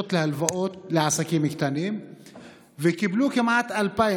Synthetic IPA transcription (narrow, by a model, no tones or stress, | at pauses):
ot̪lehalvaʔoːt̪lɪʕasakiːmɪkt̪aniːm | vɪkɪbluːkamʕat̪ʔalpa